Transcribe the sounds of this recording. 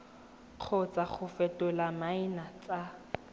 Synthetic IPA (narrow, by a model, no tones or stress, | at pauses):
q͡χʰɔt͡sʼaχʊfɛtʼʊlamaɪnat͡sʼa